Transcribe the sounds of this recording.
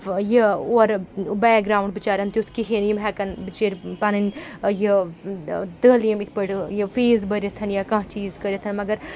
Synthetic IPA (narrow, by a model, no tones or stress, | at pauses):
jioɾbɛːk̚ɡɾaːwuɳɖ̚bit͡ʃaːɾɐnt̪jut̪ʰkiɦiːnjimɦɛːkɐnbit͡ʃeːɾʲpanɐnʲji | t̪əːljimit̪ʰpəʈjifiːzbəɾʲit̪ʰɐnjakãːɦt͡ʃiːzkəɾʲjit̪ʰɐnmɐɡɐɾ